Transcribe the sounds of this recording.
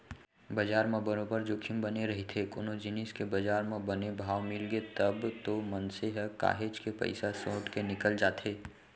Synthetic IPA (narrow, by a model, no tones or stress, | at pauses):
bɐd͡ʒaːɾmẽbɐɾõpəɾd͡ʒoːkʰɪmbɐneɾɐɦet̪ʰekonod͡ʒɪnɪskebɐd͡ʒaːɾmẽbɐnebʱaːʋmɪlɡet̪əbt̪omənseɦɛka̰ːɦeːd͡ʒkepɐ̰ɪsasõːʈkenɪkəld͡ʒaːt̪ʰeː